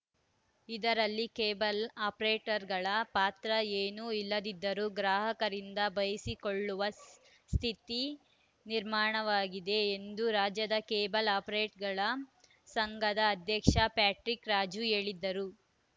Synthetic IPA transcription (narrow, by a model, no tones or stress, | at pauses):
id̪ɐɾɐlːikeːbɐlaːpɾeːʈɐɾɡɐɭɐpaːt̪ɾɐeːnuilːɐd̪id̪ːɐɾuɡɾaːɦɐkɐɾind̪ɐbɐjɐsikoɭːuʋɐs | st̪ʰit̪i | niɾmaːɳɐʋaːɡid̪e̞ːnd̪uɾaːd͡ʒjɐd̪ɐkeːbɐlaːpɐɾeːʈɡɐɭɐ | sɐŋɡɐd̪ɐːd̪ʱjɐkʂɐpaːʈɾikɾaːd͡ʒueːɭid̪ːɐɾu